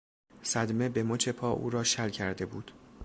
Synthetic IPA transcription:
sæd̪me̞be̞mot͡ʃʰe̞pʰɒːʔṵːɾɒːʃælcʰæɾd̪e̞buːd̪̥

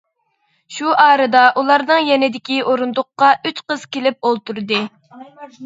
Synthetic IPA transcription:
ʃuʔɑːɾɨd̪ɑʔulˠɑɾnɨŋjɛnɪd̪ɪkʲiʔoɾund̪ʊqːɑyt͡ʃqəz̥kʲelɪp̚olˠt̪uɾd̪ɨ

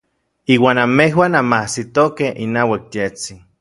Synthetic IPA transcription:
iːwaːnamehwaːnamahsit̪okehinawak̚t̪jet͡si

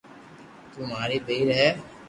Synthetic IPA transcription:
t̪ʊmɦaːɾibeːɾɦɛː

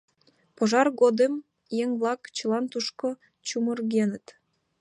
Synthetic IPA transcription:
poʒɑrɣod̪em | jeŋβlɑkt͡ɕəlɑnt̪uʃko | t͡ɕumə̆rɣenət̪

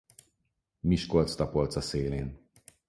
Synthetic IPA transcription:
miʃkolt̪st̪ɒpolt̪sɒseːleːn

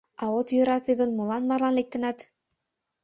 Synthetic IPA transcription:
ɑot̪jø̆ɾɑt̪iɣə̆nmulɑnmɑrlɑnlek̚t̪ə̆nɑt̪

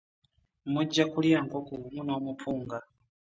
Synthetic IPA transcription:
mud͡ʒakuliaŋkɔkuumunawɔmupʰuːŋɡa

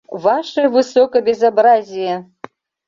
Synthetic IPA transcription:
vaʂɨjvɨsokɐbʲezabrazʲijɛ

